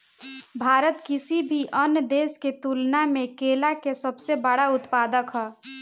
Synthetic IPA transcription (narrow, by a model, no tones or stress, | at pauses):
bʱaːɾət̪kɪsibʱiʔənd̪eːsket̪uːlnamẽkeːlakesəbsebəɽaʊt̪paːd̪əkɦɔː